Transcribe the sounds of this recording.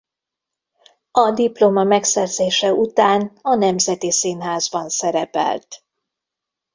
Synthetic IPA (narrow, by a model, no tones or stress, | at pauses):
ɒd̪iplo̞mɒmɛksɛrzeːʃɛut̪aːnɒnɛmzɛt̪isinɦaːzbɒnsɛɾɛpɛ̰lt̪